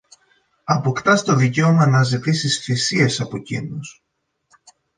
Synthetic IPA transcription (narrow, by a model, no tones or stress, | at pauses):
ɐpo̞kt̪ɐst̪o̞ðice̞o̞mɐnɐzit̪isisθisie̞sɐpocḭnos